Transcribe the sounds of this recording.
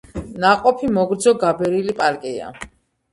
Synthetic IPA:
naqʼɔpʰimɔɡɾd̪zɔɡabɛɾilipʼaɾkʼia̰

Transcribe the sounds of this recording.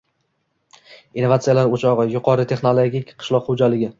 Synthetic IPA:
inovat̪sɨjalaɾot͡ʃʰɒʁɨjʊqʰɒɾɪt̪ʰe̞χnolˠoɡʲikʲqʰɨ̥ʃlˠɒqχod͡ʒalɪɡʲɪ

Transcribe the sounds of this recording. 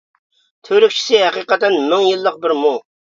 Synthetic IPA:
t̪ʰøɾyk̚ʲt͡ʃʰi̥sɪɦɛqiqət̪ɛnmɪŋjɨlˠːəq̚bɪɾmu

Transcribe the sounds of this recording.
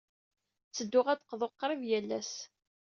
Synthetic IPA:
t͡sːəd̪ːʊʁæd̪qðˤoqːɾˤivjælːæs

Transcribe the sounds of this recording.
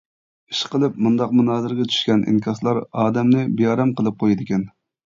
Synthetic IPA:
iʃqəlˠɨpmund̪ɑqmunɑːzɨɾɡʲɛt̪ʰy̥ʃkʲɛnʔḭŋkʲʰɑslˠɑɾɑːd̪ɛmnɪbijɑːɾɛmqʰəlˠɨp̚qʰojɪd̪ɪkʲɛn

